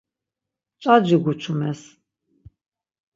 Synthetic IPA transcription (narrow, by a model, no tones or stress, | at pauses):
t͡ʃʼad͡ʒiɡut͡ʃʰumɛs